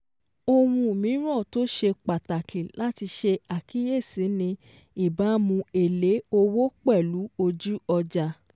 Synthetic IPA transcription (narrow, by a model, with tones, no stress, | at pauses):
o˧w̃ũ˧˨mĩ˨˦ɾ̃ɔ̃˦˨to˦ʃe˧k͡pa˨ta˨ki˨la˦ti˧ʃe˧a˨ki˨˦je˦˨si˨˦nĩ˧ | i˦˨ba˨˦mũ˧e˨le˨˦o˧wo˦k͡pɛ˦˨lu˨˦o˧d͡ʒu˦ɔ˧d͡ʒa˧